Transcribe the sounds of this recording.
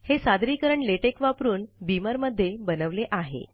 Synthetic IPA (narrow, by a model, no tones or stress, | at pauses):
hesad̪ɾiːkəɾəɳleʈekʋapɾuːnbiməɾməd̪ʱːjebənəʋleʔaɦḛ